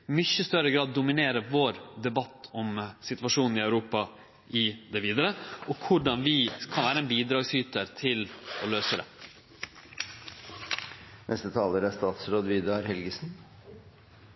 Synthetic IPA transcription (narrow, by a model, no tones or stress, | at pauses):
mʏçəst̪œɾəɡɾɑːd̪ːʊmɪneːɾəʋoːɾd̪ɛbɑt̪ːɔmsɪt̪ʋɑʂuːnn̩ɪœʉɾuːpɑ | ʔɪd̪ɛʋiːd̪əɾəɔkʰʊɖɑnʋɪkʰɑnʋæːɾəɛnbiːd̪ɾɑːɡsyːt̪əɾt̪ʰɪlɔløːsəd̪ɛ̰ | nʔɛst̪ət̪ʰɑːləɾæst̪ɑːt̪sɾoːd̪ʋiːd̪ɑɾhɛlɡəsn